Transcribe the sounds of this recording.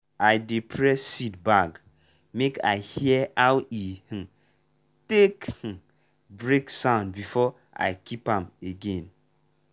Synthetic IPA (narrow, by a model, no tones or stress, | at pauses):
aɪdepʰɹɛssitbaɡ | mekʰa̰ɪhiɛaʊih̩ | tek̩ | bɹeksãʊ̃ndbifɔ | a̰ɪkʰipãmeɡẽn